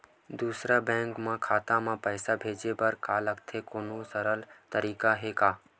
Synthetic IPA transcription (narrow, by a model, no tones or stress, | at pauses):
d̪uːsɾabɛ̃ːŋkmãkʰaːt̪ãmãpəːsabʱeːd͡ʒebəɾkʰaːləɡt̪ʰekoːnosəɾəlt̪əɾiːkaɦekaː